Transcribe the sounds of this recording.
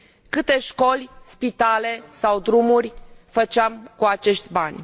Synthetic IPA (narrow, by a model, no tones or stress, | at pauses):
kɨt̪e̞ʃko̞lʲspit̪ale̞sawd̪ɾumurʲfət͡ʃamkuat͡ʃe̞ʃt̪ʲbanʲ